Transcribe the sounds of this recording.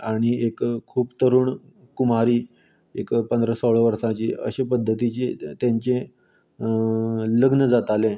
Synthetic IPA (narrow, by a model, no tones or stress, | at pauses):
aɽ̃iekkʰːuːpt̪əɾuːɳ | kumaɾiː | ekpənd̪ɾəsoɭ̤əʋəɾsãt͡ɕiːə̰ɕepəd̪ʱːət̪it͡ɕet̪jãɲt͡ɕẽ | ləɡnəd͡zat̪ale